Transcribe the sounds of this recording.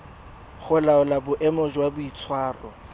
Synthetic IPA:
χʊlaʊlabʊʔɛmɔʒwabʊit͡sʰwaːrɔ

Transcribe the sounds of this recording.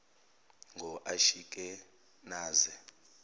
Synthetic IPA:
ŋʱɔʔaʃikʼɛ | naːzɛ

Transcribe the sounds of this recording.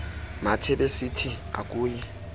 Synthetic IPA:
matʰebesitʰi | a̰kʼuːjɪ

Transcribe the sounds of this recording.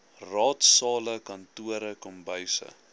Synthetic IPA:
rɑːtsɑːləkɐntuəɾəkɔmbəjsə̰

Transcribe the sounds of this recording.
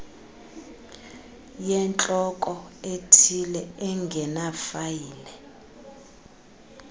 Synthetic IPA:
jɛnt͡ɬʼɔkʼɔetʰilɛɛŋɡʱɛnafajiːlɛ

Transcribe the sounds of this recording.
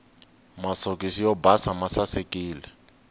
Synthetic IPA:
masɔkisijɔbasamasasekʼiːlɛ

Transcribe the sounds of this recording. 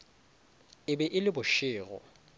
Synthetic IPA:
ɪbɛʔɪlɪbʊʃɪːɣɔ̰

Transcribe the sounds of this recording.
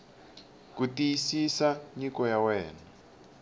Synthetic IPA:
kutijisisaɲikɔjawɛːna

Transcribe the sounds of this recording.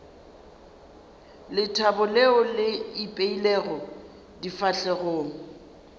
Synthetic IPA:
lɪtʰabʊleɔlɪipʼeilɛɣɔ | difaɬɛɣoːŋ̩

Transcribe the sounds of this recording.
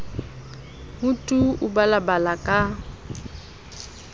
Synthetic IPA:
mutʼuubalabalakʼa

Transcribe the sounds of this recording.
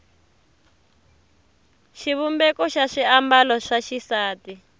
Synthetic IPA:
ʃiβumbɛkɔʃaʂiambalɔʂaʃisaːti

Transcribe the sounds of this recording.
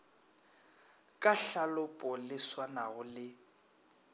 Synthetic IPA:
kʼaɬalʊpʼɔlɪswanaɣʊlɪ

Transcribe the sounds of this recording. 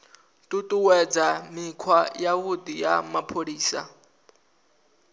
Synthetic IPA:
tʼutʼuwɛd͡zamikʰwajawud̪ijamapʰoɺiːsa̰

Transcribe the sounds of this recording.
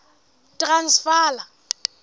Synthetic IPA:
tʼransfaːla

